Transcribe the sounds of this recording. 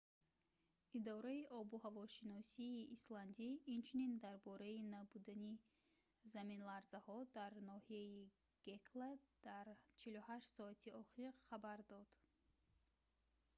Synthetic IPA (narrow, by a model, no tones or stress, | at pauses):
id̪ɔɾaiʔɔbuhavɔʃinɔsiːsland̪iint͡ʃʰunind̪aɾbɔɾainabud̪ani | zaminlaɾzahɔd̪aɾnɔhiai | ɡ̥ekʰlad̪̥aɾt͡ʃʰiluhaʃt̪sɔat̪ʰiɔχiɾχabaɾd̪ɔd̪̥